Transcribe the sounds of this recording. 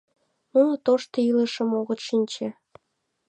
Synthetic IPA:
nunot̪oʃt̪ilə̆ʃə̆moɣə̆t̪ʃinʲt͡ɕe

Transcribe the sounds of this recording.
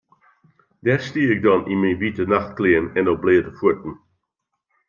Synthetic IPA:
dɛstiəɪk̚dɔninminʋitənaxtklɪːənɛndɔblɪədəfutn̩

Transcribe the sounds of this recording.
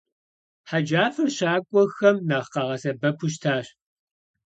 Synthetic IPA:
ħad͡ʒaːfɐrɕaːkʷʼɔxɐmnaːχqɑʁɐsɐbɐpʷʰʊʃ̬tʰaːɕ

